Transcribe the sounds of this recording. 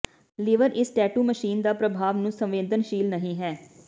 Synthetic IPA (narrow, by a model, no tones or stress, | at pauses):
lɪʋəɾʔɪsʈɛːʈuːməʃiːnd̪aːpɾəbʱaːʋnũːsə̃mʋẽːd̪ənʃiːlnəɦĩːɦɛː